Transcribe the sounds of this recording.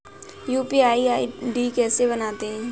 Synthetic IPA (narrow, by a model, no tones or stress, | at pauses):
juːpiaːiaːiɖiːkɛːseβənaːt̪eɦɛ̃ː